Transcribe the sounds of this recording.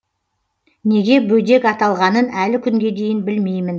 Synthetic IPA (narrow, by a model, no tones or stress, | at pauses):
ne̞ɡʲe̞bɵjd̪e̞kɑt̪ɑlˠʁɑnənælɪkʲʰʏŋɡʲe̞d̪e̞jɪnbɪlme̞jmɪn